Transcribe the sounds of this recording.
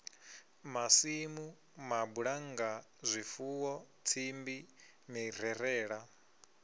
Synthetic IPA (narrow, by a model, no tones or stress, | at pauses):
masimu | mabuɺaŋɡa | zʷifuwɔ | t͡sʰimbi | miɾ̤ɛɾɛːɺa